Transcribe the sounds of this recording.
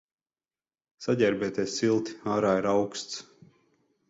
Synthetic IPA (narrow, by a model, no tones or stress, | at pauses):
saɟʲɛɾbɛt̪ɛsilˠt̪i̥aːɾaːiɾawkst̪s